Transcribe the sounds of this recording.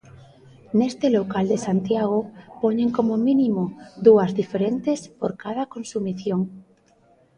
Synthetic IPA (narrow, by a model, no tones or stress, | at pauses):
nest̪elokald̪esant̪jaɣ̞opoɲeŋkomomĩnimoðuazðifeɾent̪espoɾkað̞akonsumiθjoŋ